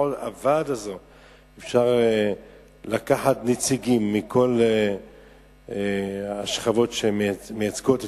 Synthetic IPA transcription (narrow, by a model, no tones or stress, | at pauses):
ola̰vad̪azo | efʃaʁ | lakaħatnet͡siɡimːikʰo̞l | aʃχavo̞tʃemejat͡sɡot̪